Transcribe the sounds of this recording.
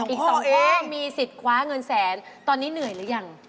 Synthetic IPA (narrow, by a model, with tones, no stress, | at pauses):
ʔiː˨˩k̚sɔː˨˦ŋɔː˧˥miː˧si˨˩t̪̚kʰwaː˦˥ŋɤ˧nsɛː˨˦nt̪ɔː˧nːiː˦˥nɯ˨˩əjlɯː˨˩˦ja˧ŋ